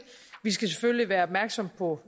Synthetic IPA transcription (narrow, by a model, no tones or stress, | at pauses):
ʋis̬ɡ̥æsefølliʋæːɐɒ̽b̥mæɐɡ̥sɒ̽mpʰɒ̽